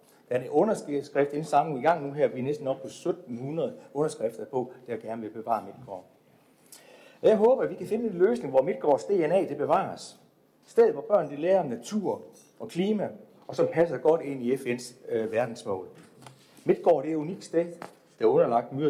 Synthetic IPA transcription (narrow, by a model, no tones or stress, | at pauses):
d̥ææɐeɔ̽nɐssɡ̥ʁɛfd̥e̝nsɑ̈miɡ̥ɑ̈ŋ̰nuɦæɐ̰ʋiænesd̥n̩ɒ̽b̥̚pʰɒ̽sød̥n̩hunɐð̩ˠɔ̽nɐsɡ̥ʁɛfd̥ɐpʰɒ̽d̥eæɡ̥æɐnəʋe̝b̥e̝ʋɑ̰̈ːme̝d̥̚ɡ̥ɒ̰ː | ɒ̽jɑ̈ɪɦɔ̽ːb̥ɐʋikʰæfe̝nəe̝nløːsne̝ŋʋɒme̝d̥̚ɡ̥ɒ̰ːsd̥e̝ːenɛ̰ːd̥e̝b̥e̝ʋɑ̰̈ːs | sd̥eð̩ˠʋɒb̥ɶɐ̰nd̥ileːɐnæt͡sʰuɐ̰ | ʔɒ̽kʰliːmæ | ɒ̽sɒ̽mpʰæs̬ɐɡ̥ɒ̽d̥e̝n̰iefen̰sʋæɐd̥n̩smɔ̰̽ːl | me̝d̥̚ɡ̥ɒ̰ːɾ̥e̝æɐuniɡ̥sd̥ɛ̰ːðˠ | d̥æɔ̽nɐlɑ̈ɡ̥̚d̥myɐ̰